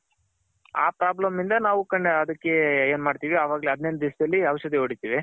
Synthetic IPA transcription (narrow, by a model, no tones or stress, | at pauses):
a̰ːpɾaːblɐmind̪ɐnaːʋukɐɳːeɐd̪ɐkːe̞eːnmaːɖt̪iːʋiɐʋaːɡɐleɐd̪nend̪̚d̪isd̪ɐlːiɐʋɐʃɐd̪eoːɽit̪iːʋi